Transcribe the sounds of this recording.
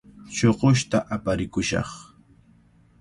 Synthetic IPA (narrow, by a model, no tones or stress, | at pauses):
t͡ʃoɢʊʃt̪aʔapaɾɪkʊʃɑ̰χ